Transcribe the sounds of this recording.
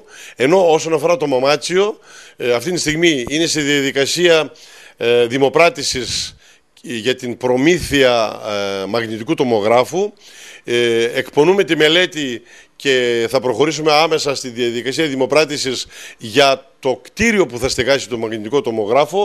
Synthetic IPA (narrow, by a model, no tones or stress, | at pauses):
e̞no̞oso̞nɐfo̞ɾɐt̪o̞mɐmɐt͡sio̞ɐft̪int̪ist̪iɣmiine̞st̪iðiɐðikɐsiɐ | ðimo̞pɾɐt̪isis | ʝɐt̪impɾo̞miθiɐ | mɐɣnit̪ikut̪o̞mo̞ɣɾɐfu | ekpo̞nume̞t̪ime̞le̞t̪i | ce̞θɐpɾo̞xo̞ɾisume̞ɐme̞sɐst̪iðiɐðikɐsiɐðimo̞pɾɐt̪isizʝɐt̪o̞kt̪iɾio̞puθɐst̪eɣɐsi̥t̪o̞mɐɣnit̪iko̞t̪o̞mo̞ɣɾɐfo̞